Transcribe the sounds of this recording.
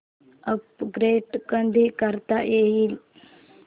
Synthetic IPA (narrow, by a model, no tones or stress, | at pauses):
əpɡɾeʈkənd̪ʱikəɾt̪aʔjeɦiːl